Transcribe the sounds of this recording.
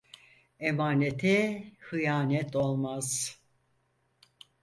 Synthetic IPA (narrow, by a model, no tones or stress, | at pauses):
emaːnet̪ʰɛhɯjaːnɛt̪ʰo̞lˠmaz̥